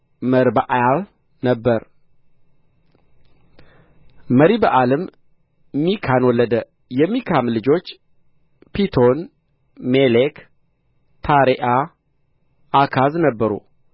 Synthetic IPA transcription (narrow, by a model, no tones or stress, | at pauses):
məɾbaʔajal | nəbːəɾ | məɾibəʔaləm | mikʰanwɔlːəd̪ə | jɛmːikʰamlɨd͡ʒo̞t͡ʃː | pit̪ʰon | melek | t̪ʰaɾeʔa | akʰaznəbːəɾṵ